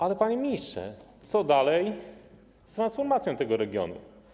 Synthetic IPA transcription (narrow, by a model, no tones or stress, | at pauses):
ʔalɛpaɲemʲistʂɛ̰t̪sɔd̪alɛj | st̪ɾansfɔɾmat̪sʲjɔ̃t̪ɛɡɔɾɛɡʲjɔ̰nṵ